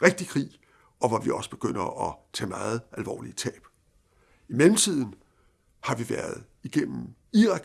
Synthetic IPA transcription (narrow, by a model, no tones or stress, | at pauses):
ʁeɡ̥̚d̥ikʰʁḭː | ʔɒ̽ʋɒʋiɒ̽sə̥b̥e̝ɡ̥øn̰ɐɒ̽t͡sʰɛ̰ːmɑ̈ːð̞̩ˠælʋɒ̰ːliət͡sʰɛ̰ːb̥ | imelm̩t͡sʰið̰ˠn̩ | hɑ̈ʋiʋæɐð̞̩ˠ | iɡ̥en̰m̩ | iʁɑ̈ɡ̥